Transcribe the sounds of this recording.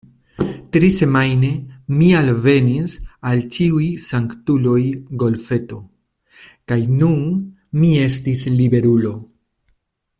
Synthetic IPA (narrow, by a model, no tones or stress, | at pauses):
tɾise̞majne̞mialve̞nisalt͡ʃiujsaŋktulo̞jɡo̞lfe̞to̞ | kajnun | mie̞s̬tislibe̞ɾulo̞